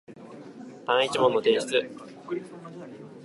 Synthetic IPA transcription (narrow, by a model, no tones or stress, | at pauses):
t̪ãit͡ɕimõ̞nːot̪e̞ːɕi̥t͡sɨ